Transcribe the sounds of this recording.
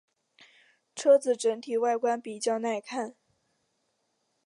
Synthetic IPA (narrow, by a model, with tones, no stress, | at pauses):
ʈ͡ʂʰɤ˥t͡sɹ̩˨˩ʈ͡ʂə˧˥ŋt̪ʰi˨˩wa˥˩ɪkwa˥npi˨˩t͡ɕjɑ˥˧ʊna˥˧ɪkʰa˥˩n